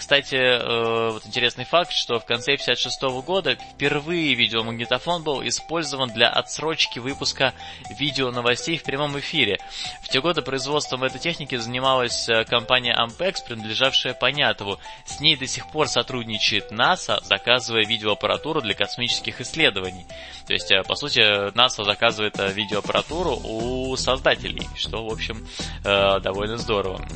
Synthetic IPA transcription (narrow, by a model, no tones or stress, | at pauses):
kst̪atʲɪəvo̞t̪ɪnʲtʲɪɾʲe̞snɨjfak̚t̪ʂt̪o̞fkɐnt̪sepʲɪ̥sʲɪat̪ʂɨst̪o̞vəɡo̞d̪əfʲpʲɪrvɨjvʲidʲɪoməɡnʲɪt̪ɐfo̞nbɨlˠɪ̰spo̞lʲzəvənd̪lʲɐ̰ʔɐ̰t̪sɾo̞t͡ɕkʲɪvɨpʊskə | vʲidʲɪonəvɐsʲtʲejfpɾʲɪmo̞mɪfʲiɾʲɪ | ftʲe̞ɡo̞d̪ɨpɾəɪzvo̞t̪st̪vəmɛt̪əjtʲexnʲɪkʲɪzənʲɪmalˠəsʲəkɐmpanʲɪjə̰ʔɐ̰mpɛkspɾʲɪnəd̪lʲɪʐafʂɨjəpɐnʲat̪əvʊ | sʲnʲejd̪əsʲɪxpo̞rsɐt̪ɾudʲnʲɪt͡ɕɪɪt̪nasə̰zɐkazɨvəjəvʲidʲɪoɐpəɾɐ̰t̪uɾʊd̪lʲɐkɐsmʲit͡ɕɪ̥skʲɪxɪsʲːlʲe̞d̪əvənʲɪj | t̪o̞̰ɪ̰sʲtʲəpɐsutʲɪnasəzɐkazɨvəjɪt̪əvʲidʲɪoɐpəɾʔɐ̰t̪uɾʊʔusɐzd̪atʲɪ̰lʲɪ̰jʂt̪o̞vo̞pɕːɪməd̪ɐvo̞lʲnəzd̪o̞ɾəvə̰